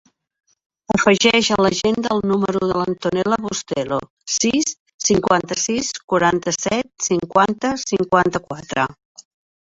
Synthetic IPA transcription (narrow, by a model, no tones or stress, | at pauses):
əfəʒɛʃələʒend̪əːlˠnuməɾuðələnt̪unɛləβust̪ɛlo̰ | sisː | iŋkwant̪əsiskuɾant̪əsɛt̪̚siŋkwant̪əsiŋkwant̪əkwat̪ɾə